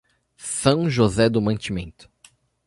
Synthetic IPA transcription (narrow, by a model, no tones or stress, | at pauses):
sɐ̃w̃ʒozɛd̪ʊmɐ̃nt͡ʃimẽnt̪ʊ̥